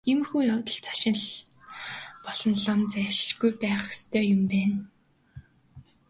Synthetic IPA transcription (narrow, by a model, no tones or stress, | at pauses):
im̆rxuːjawt̪ɞ̆ɮt͡sʰḁʃɪ̆nɮ | pɔɮɞ̆nɮamt͡sæʃʃɡujpæːχe̥st̪ʰœːjʊmpæːn